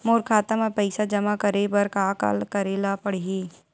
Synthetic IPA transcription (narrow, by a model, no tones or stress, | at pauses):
moːɾkʰaːt̪amapɐɪsad͡ʒɐmakɐɾebɐɾkaka̰lkɐɾeːlapɐɽ̤ɦiː